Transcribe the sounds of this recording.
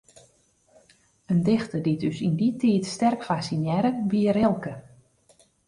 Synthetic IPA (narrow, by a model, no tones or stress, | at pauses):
əndɪxtədidøsinditʰiːtstɛrkfasinjɛɾəbiərɪlˠkə